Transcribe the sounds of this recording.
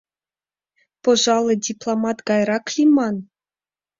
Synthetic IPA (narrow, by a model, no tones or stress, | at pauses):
pŏʐɑlˠŏdʲiplˠomɑt̪ɡɑjɾɑklʲimɑn